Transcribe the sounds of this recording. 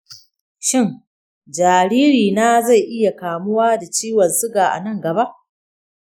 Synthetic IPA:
ʃɪ˦˨ŋ | d͡ʒaː˨ɽiː˦ɾiː˨na˦za˦˨jʔɪ˦ja˨kaː˨mʊ˦waː˦da˨t͡ʃiː˦wɐ˨nsʊ˦ɡaː˨ʔa̰˨nɐ˦ŋɡɐ˨ba˦ʔ

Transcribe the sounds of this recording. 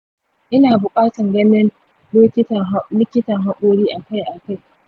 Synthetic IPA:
ʔɪ˦naː˨bʊ˨kʼaː˦tɐ˨ŋɡɐ˦nɪ˦n | lɪ˦kʲɪ˦tɐ˨˦lɪ˦kʲɪ˦tɐ˨ŋɦa˦kʷʼoː˦ɽiː˦ʔa˨ka˦jʔa˨ka˦˨j

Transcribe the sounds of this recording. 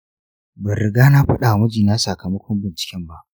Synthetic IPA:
bɐ˨ɾɪ˨ɡaː˦na˦ɸɐ˦ɗa˨mʊ˦d͡ʒiː˨na˦sa˨kɐ˨mɐ˦kʷɔ˦mbɪ˨nt͡ʃɪ̥˨kʲɛ˦mba˦ʔ

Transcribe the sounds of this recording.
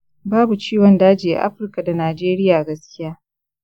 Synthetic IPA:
baː˦bu˨t͡ʃiː˦wɐ˨ndaː˦d͡ʒiː˨ʔa̰˨ʔa̰˦ɸɪ˨rka˨da˨naː˨d͡ʒeː˦ɾɪ˦jaː˨ɡɐ˦skʲɪ˦jaː˦

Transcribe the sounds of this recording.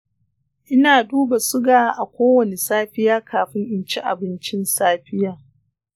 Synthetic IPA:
ʔɪ˦naː˨duː˦ba˨sʊ˦ɡaː˦˨˦ʔa˨kʷoː˦wɐ˨ne˨saː˦ɸɪ˦jaː˦kʰaː˨ɸɪ˦ŋʔɪ˨nt͡ʃi˦ʔa̰˨bɪ˦nt͡ʃɪ˦nsaː˦ɸɪ˦jaː˨

